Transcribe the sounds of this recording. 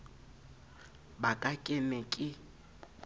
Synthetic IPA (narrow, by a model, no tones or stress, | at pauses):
bakʼakʼɪnɛkʼɪ